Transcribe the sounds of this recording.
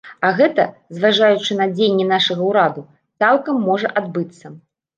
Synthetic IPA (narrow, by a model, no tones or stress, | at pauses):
ɐɣɛt̪ɐzvaʐajut͡ʂɨnɐd͡zʲejnʲːɛn̪aʂɐɣɐwɾad̪u | t̪salˠkɐmːɔʐɐʔad̪bɨt̪sːɐ